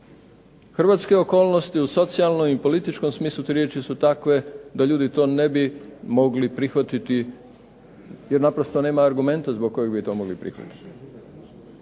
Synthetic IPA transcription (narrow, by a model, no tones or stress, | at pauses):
xr̩ʋat̪ske̞o̞ko̞ːlˠno̞st̪iuso̞t̪sialˠnomipo̞lit̪it͡ʃko̞msmiːslˠut̪ɾje̞t͡ʃisut̪akʋe̞d̪aʎuːd̪it̪o̞ːnebimo̞ɡlipɾixʋat̪it̪i | jeɾnapɾost̪o̞ne̞ːmaːɾɡume̞nt̪azbok̚kːo̞jeɡbit̪o̞mo̞ɡlipɾḭxʋa̰t̪i̥t̪i̥